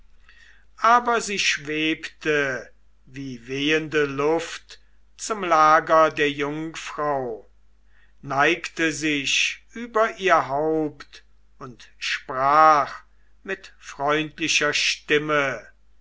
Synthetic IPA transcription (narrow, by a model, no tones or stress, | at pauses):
ʔaːbɐziːʃv̥eːptə | viːveːəndəlʊft | t͡sʊmlaːɡɐdeːɐjʊŋfʁ̥aʊ | naɪktəzɪɕʔyːbɐʔiːɐɦaʊpt | ʊntʃpʁaːχ | mɪtfʁ̥ɔʏntlɪʃɐʃtɪmə